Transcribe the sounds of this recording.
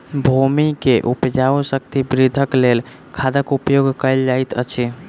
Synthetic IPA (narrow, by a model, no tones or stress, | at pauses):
bʱumikeʔupd͡ʒaosək̚t̪ibɾid̪ʱəklel | kʰad̪əkupjoɡkəjld͡ʒajt̪ə̰t͡ʃʰi